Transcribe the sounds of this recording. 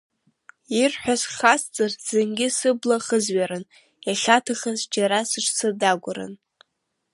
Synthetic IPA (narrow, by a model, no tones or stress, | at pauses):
irħʷᶣasχast͡sʼɨrz̥ɨnɡʲɪsɨblaχəzɥaɾɨn | jaχʲatʰaχazd͡ʒaɾasɨʈ͡ʂʰsʰɨdaɡʷʊɾɨ̰n